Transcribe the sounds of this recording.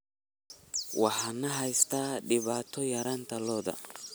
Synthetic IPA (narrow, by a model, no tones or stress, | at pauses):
wɑħɑnɐɦɛjst̪ʰaːɖɪβaːt̪ʰɔjɐɾaːnt̪ʰɐlɔːðɐ̰